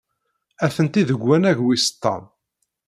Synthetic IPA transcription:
æθənt̪iðəɡʷːænæʝwist̪ːɑ̰m

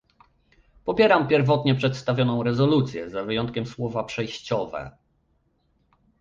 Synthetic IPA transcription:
pɔpʲjɛɾampʲjɛɾvɔt̪ɲɛpʂɛt̪st̪avʲjɔnɔ̃w̃ɾɛzɔlut̪sʲjɛ̰zavɘjɔnt̪̚kʲɛmswɔvapʂɛjɕt͡ɕɔvɛ̰

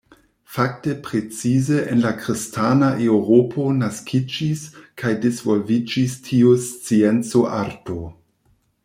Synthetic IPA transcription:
fak̚tepɾet͡sizeʔenlakɾistʰanaʔewɾopʰo̞naskʰid͡ʒiskʰajdezvolvid͡ʒistʰiust͡sient͡soʔaɾto

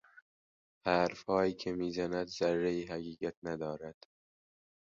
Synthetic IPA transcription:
hæːɾfhɒːjiːcʰemiːzænæd̪z̥ærːeiːɦæɣiːɡæt̪ʰnæd̪ɒːɾæd̪̥

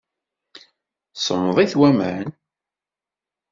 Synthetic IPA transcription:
sˤəmðˤiθwæmən

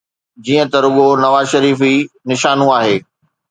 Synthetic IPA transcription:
d͡ʑiːə̃t̪ɐɾʊɠonɐʋaːzʃɐɾiːfinɪʃaːnũaːɦeː

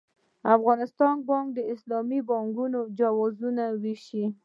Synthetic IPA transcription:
afɣɑnɪst̪ɑn̚bɑŋk̚d̪əɪslɑmibɑŋɡunod͡ʒawɑzunawiʃi

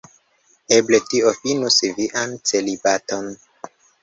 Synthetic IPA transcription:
ebletiofinusiviʔant͡selibaton

